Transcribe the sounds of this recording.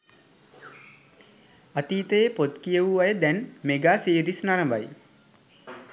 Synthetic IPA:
at̪iːt̪əjepot̪kijəʋuʋajəd̪ɛnmeɡaːsiːɾisnaɾəmbaj

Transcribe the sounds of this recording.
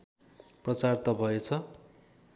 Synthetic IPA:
prʌt͡sart̪ʌbʱʌet͡sʰʌ

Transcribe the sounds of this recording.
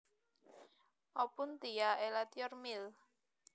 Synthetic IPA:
ʔɔpʊnt̪ijaelat̪iɔrmil

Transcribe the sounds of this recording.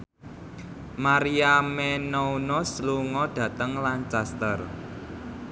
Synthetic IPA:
maɾiamɛnounɔsluŋɔɖ̪̥ä̤t̪əŋlant͡ʃast̪ər

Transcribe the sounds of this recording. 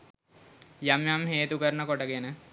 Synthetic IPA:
jamjamɦeːt̪ukəɾnəkoʈəkenə

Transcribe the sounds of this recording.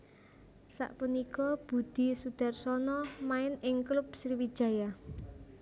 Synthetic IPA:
sa̰ʔpunikɔb̥ṳd̪̥i̤sud̪̥a̤rsɔnɔmaɪnɪŋklʊp̚sriwid̥ʒ̥ä̤ja

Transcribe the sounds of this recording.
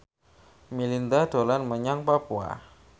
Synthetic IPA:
milind̪ad̥olanməɲaŋpapua̰

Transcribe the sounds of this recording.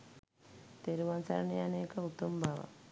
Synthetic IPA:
t̪eɾuʋansa̰ɾɐnejɐneːkɐut̪ːumbʱaʋa̰

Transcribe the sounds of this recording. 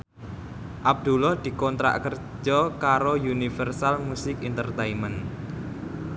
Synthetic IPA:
ʔab̚d̪̥ṳlɔhd̪̥i̤kɔnt̪ɾa̰ʔkər | d͡ʒɔkaɾojunifərsalmusɪkint̪ərt̪eimən

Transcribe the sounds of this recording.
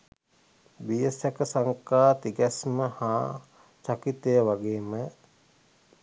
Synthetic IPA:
bijesjakəsaŋkaːt̪iɡæsməhaː | t͡ʃakit̪ejəʋaɡeːmə

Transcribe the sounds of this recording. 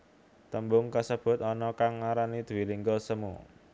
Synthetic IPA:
t̪əmbʊŋkasəb̥ʊ̤t̪̚ɔnɔkaŋːaɾanid̪̥ṳwiliŋɡɔsəmṵ

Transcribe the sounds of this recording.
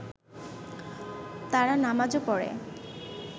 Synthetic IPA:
t̪aɾanamad͡ʑopɔɽḛ

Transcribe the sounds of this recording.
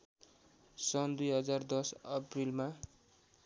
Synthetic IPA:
sʌnd̪ujɦʌd͡zard̪ʌsʌprilma

